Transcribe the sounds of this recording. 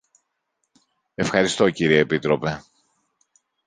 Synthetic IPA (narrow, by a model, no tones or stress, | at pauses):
e̞fxɐɾist̪o̞ciɾieepit̪ɾo̞pe̞